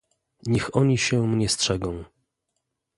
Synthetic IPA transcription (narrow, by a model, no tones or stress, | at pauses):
ɲɛxɔɲiɕɛmɲɛstʂɛɡɔ̃w̃